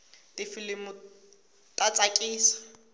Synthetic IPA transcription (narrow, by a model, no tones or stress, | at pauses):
tɪfilɪmʊ | tʼat͡sʼakʼiːsḁ